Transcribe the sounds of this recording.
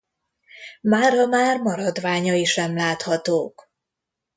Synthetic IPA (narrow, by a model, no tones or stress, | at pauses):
maːrɒmaːrmɒɾɒd̪vaːɲɒiʃɛmlaːt̪hɒt̪oːk